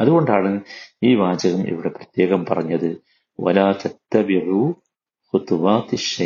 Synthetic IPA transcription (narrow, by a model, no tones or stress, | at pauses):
ɐðuɣo̞ɳɖaːɳɨiːʋaːd͡ʑɐɣɐmʔḭʋiɽe̞prɐt̪je̞ːɣɐmpɐrɐɲːɐðɨ | wɐ̰laːt̪ɐt̪ːɐbiʕuː | xʊt̪ʋaːt̪ʃːɐ